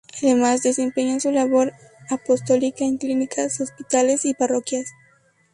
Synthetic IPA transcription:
aðemazd̪e̞se̞mpe̞ɲasulaβo̞ɾ | apo̞st̪o̞likaeŋklinikʰasospit̪alesiparo̞kjas

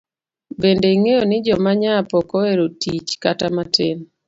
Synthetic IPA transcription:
bendeiŋejonɪd͡ʒɔmaɲapɔkoweɾotit͡ʃkatamaten

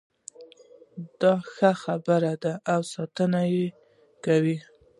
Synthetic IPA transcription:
d̪̥ɑxaxabəɾad̪aʔːwsɑt̪ənaje | kawi

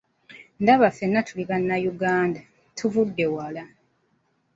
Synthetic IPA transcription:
ndaβafe̞nːatʰuliβanːajuɡaːnda | tʰuvudːe̞wala

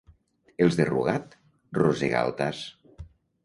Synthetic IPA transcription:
elˠzðeruɣat̪ | rozeɣa̰lˠt̪as

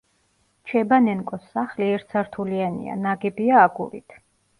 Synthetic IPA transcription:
t͡ʃʰɛbanɛnkʼɔsːaχliɛɾt̪sʰaɾt̪ʰulianḭa̰naɡɛbiaːɡṵɾḭt̪ʰ

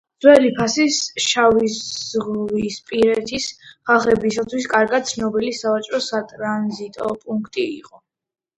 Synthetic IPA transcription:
dzwɛlipʰasisʃavizzʁvispʼiɾɛt̪ʰisχaχɛbisat̪ʰwiskʼaɾɡad̪̚t̪sʰnɔbilisavat͡ʃʼɾɔsat̪ʼɾanzit̪ʼɔpʼuŋkʰt̪ʼiḭqʼɔ

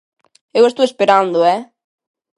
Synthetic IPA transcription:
ewest̪owespeɾand̪ʊɛ

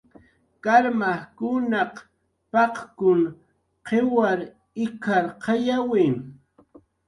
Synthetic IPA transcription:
kaɾmahkʊnɑq | pɑqkʊŋ | qewaɾ | ɪkʰaɾqʰɑjawɪŋ

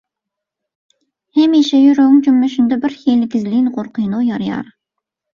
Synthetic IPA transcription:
hɛmiʃɛjyɾŋd͡ʒymːɛʃynd̪ɛbɪɾxelɪɡʲizlinʁoɾqʰɨjnojɑɾjɑ̰ɾ

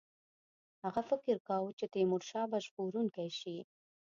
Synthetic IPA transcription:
haɣafɪkɪɾkawt͡ʃet̪emʊɽʃɑbaʒpoɾuŋkajʃi

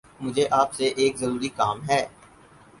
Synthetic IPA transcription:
mʊd͡ʒʱeʔaːpseʔeːkzɐɾuːɾikaːmɦɛː

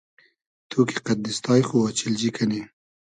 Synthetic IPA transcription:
t̪ʰokiqad̪d̪ɪst̪ɑːjxoat͡ʃɪld͡ʒikʰane

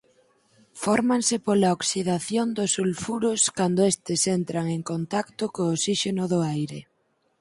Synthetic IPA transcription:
fɔɾmaŋsɪpolaoksiðaθjond̪ʊsulfuɾʊskand̪oest̪ɪsent̪ɾaŋeŋkont̪akt̪ʊkoːsiʃenʊðʊajɾɪ

